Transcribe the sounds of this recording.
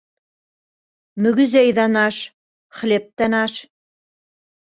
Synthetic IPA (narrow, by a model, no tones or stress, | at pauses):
mɵ̆ɡɘ̆zæjðɑnɑʃ | χ̆lʲep̚t̪ænɑʃ